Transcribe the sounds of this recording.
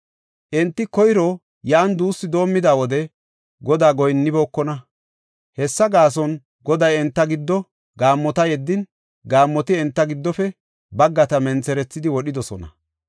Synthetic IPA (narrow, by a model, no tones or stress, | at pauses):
ʔɛnt̪ːɪkɔjɾɔ | jaːnd̪uːsːɪd̪o̞ːmːɪd̪aːwɔd̪ɛ | ɡɔd̪aːɡɔjnːɪboːkːɔnɐ | hɛsːɐɡaːs̬ɔn | ɡɔd̪ɐjɛnt̪ːɐɡɪd̪ːɔ | ɡaːmːɔt̪ɐjɛd̪ːɪn | ɡaːmːɔt̪ɪɛnt̪ːɐɡɪd̪ːɔfɛ | bɐɡːɐt̪ɐmɛnt͡sɛɾɛt͡sːɪd̪ɪwɔɗɪd̪ɔsɔnɐ̰